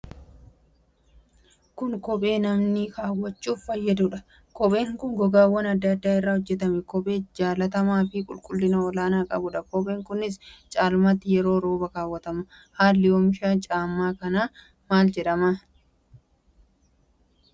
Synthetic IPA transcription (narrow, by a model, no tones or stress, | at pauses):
kʊŋkɔpʼe̞ːnɐmnɪkaːwːɐt͡ʃːuːffɐjːɐd̪ʊᶑɐ | kɔpʼe̞ːŋkʊŋɡɔɡaːwːɐnɐd̪ːɐd̪ːaːɪrːaːhɔd͡ʒːɛt̪ɐmɛkɔpʼe̞ːd͡ʒaːlɐt̪ɐmaːfɪkʼʊ̰lkʼʊlːɪnɐɔlaːnaːkʼɐ̰bʊᶑɐkɔpʼeːŋkʊnɪst͡ʃʼaːlmɐt̪ːɪjɛɾo̞ːɾo̞ːbɐkaːwːɐt̪ɐmɐ | haːlːɪjoːmɪʃaːnt͡ʃʼaːmːaːkɐnaː | maːld͡ʒɛᶑɐma